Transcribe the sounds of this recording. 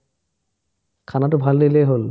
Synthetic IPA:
kʰanatʊbʱalːelejɦol

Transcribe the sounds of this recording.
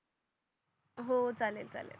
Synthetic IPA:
ɦot͡salelt͡sa̰lḛl

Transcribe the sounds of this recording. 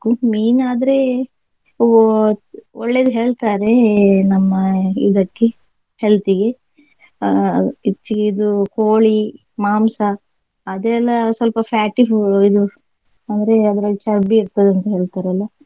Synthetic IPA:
kːumiːnaːd̪ɐɾe̞ | ɔɭːeːd̪uɦe̞ːɭt̪aːɾe̞nɐmːɐḭd̪ɐkːe | helt̪iɡe̞ | it͡ʃːiid̪ukoːɭi | maːmsɐː | d̪ɛlːɐsɐlpɐpʰaːʈifid̪u | ɐnd̪ɐɾeɐd̪ɐɾɐt͡ʃɐɾbiːɾt̪ɐd̪eɐnt̪ɐɦe̞ːɭt̪aːɾeɐlːɐ

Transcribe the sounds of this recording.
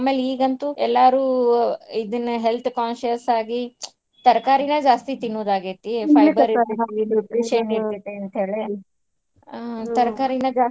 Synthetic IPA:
aːmeːliːɡɐnt̪uɛlːaːɾuː | id̪ɐnːɐɦelt̪ʰkaːnʃɐsaːɡi | t̪ɐɾkaːɾinɐd͡ʒaːst̪it̪inːoːd̪aːɡit̪ːipʰɐjbɐɾɐɾɐiniiʃeniɾt̪it̪ːeɐnt̪ɦeːɭe | t̪ɐɾkaːɾinɐd͡ʒaː

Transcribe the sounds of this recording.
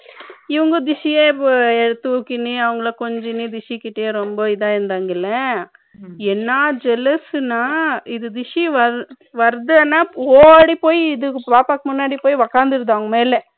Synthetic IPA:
ɪʋɐŋɡɐd̪ɪʂijeːɛɽɯt̪ːɯukːɪniɐʋɐŋɡɐɭɐkɔɲd͡ʒɪnid̪ɪʂikːɪʈːejeɾɔmbɐɪðaːɪɾɯnd̪aːŋɡɪlːɐ | ɛnːaːd͡ʒɛlɐsɯnaːɪðɯd̪ɪʂiʋɐɾ | ʋɐɾðɯaːnːaːoːɐɽipoːjɪðɯpaːpaːkːɯmʊnːaːɽipoːjiʋɐkaːnd̪ɯɾɯðaːʋŋɡɐmeːlɛ

